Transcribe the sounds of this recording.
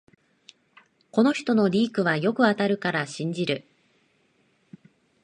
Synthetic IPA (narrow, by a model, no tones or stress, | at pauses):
ko̞no̞çi̥t̪o̞no̞ɾʲiːkɯ̟β̞ajo̞kɯ̟at̪aɾɯ̟kaɾaɕĩɲ̟d͡ʑiɾɯ̟